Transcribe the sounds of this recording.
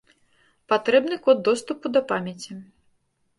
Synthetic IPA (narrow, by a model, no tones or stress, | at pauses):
pat̪ɾɛbnɨkɔd̪ːɔst̪upud̪ɐpamʲjɐt͡sʲi